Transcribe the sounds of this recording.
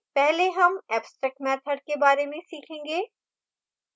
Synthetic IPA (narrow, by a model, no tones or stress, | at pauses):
pɛɦleɦɐmɛːpsʈɾɛːkmɛːt̪ʰəɖ̚kebaːɾemẽsiːkʰẽːŋ̆ɡeː